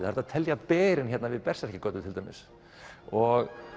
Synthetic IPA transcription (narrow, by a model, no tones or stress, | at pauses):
ɪhaɾt̪aðt̪ʰɛljapɛːɾɪnçɛt̪navɪðpɛr̥saɛhcɪkœːt̪ʏt̪ʰɪlt̪aːjmɪ̰s | ɔɣ